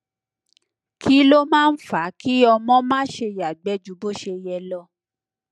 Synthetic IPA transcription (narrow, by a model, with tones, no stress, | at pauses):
ki˦lo˦mãː˦˧n̩˦fa˨˦ki˦ɔ˧mɔ̃˦mãː˦ʃe˧ja˨ɡ͡bɛ˨˦d͡ʒu˨˦bo˦ʃe˧jɛ˧lɔ˧